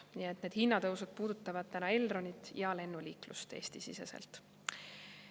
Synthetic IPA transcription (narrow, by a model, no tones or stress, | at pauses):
niet̪ne̞ːd̪̥hinːɑt̪ɤwsud̪̥̚puːd̪ut̪ːˑɑvɑd̪̥̚t̪ænɑe̞ld̪ro̞nʲit̪ˑjɑɑle̞nːuliːklust̪e̞ːst̪isise̞̰sḛlt̪